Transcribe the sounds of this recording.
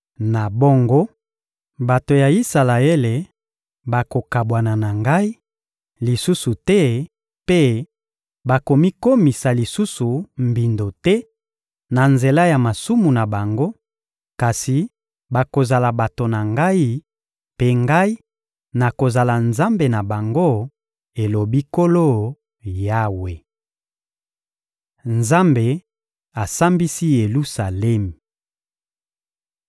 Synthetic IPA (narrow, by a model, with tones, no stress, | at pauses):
na˨bo˦ŋɡo˦ | ba˨to˨ja˨i˦sa˨la˨e˦le˨ | ba˨ko˨ka˨bwa˨na˨na˨ŋɡa˦i˦ | li˨su˦su˨tɛ˦ | pe˦ | ba˨ko˨mi˦ko˦mi˨sa˨li˨su˦su˨m̩bi˨ndo˨tɛ˦ | na˨nze˨la˦ja˨ma˨su˦mu˨na˨ba˨ŋɡo˦ | ka˨si˨ | ba˨ko˨za˨la˨ba˨to˨na˨ŋɡa˦i˦ | pe˦ŋɡa˦i˦ | na˨ko˨za˨la˨nza˦mbe˨na˨ba˨ŋɡo˦ | e˨lo˨bi˦ko˦lo˦ | ja˦we˨ | nza˦mbe˨ | a˨sa˦mbi˦si˦je˨lu˦sa˨lɛ˦m˨